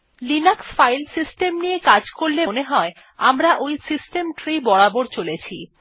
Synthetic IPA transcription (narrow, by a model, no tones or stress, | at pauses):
linaksfajlsisʈemniekad͡ʑkoɾleneɦɔe | amɾaʔojsisʈemʈɾibɔɽaboɾt͡ɕolet͡ɕʰḭ